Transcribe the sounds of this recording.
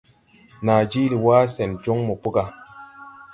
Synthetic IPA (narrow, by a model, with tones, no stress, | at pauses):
na˨d͡ʒi˦li˨waː˦sɛ˨nd͡ʒo˦ŋmo˨pu˦ka˨